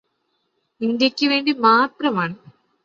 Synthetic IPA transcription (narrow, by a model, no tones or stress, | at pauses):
indjɐkʲːɨʋe̞ːɳɖimaːt̪rɐmaːɳɨ